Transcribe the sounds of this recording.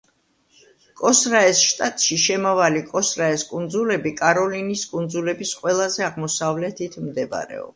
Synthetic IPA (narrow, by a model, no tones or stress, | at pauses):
kʼɔsɾaɛsʃt̪ʼat̪ʼʃiʃɛmavalikʼɔsɾaɛskʼund̪zulɛbikʼaɾɔliniskʼund̪zulɛbisqʼwɛlˠazɛaʁmɔsavlɛt̪ʰit̪ʰmd̪ɛb̰ɾɛ̰ɔ̰b